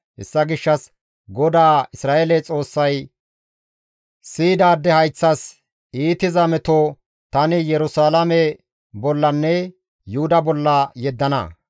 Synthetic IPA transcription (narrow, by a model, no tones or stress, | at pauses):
ʔɛ̰sːɐɡɪʃːɐs | ɡɔd̪aːɪsɾaːʔelɛt͡sʼo̞ːsːɐj | siːd̪aːd̪ːɛhɐjt͡sːɐs | iːt̪ɪzɐmɛt̪o | t̪ɐnɪjɛɾʊsaːlɐmɛ | bɔlːɐnːɛ | jʊhʊd̪ɐbɔlːɐjɛd̪ːɐnɐ̰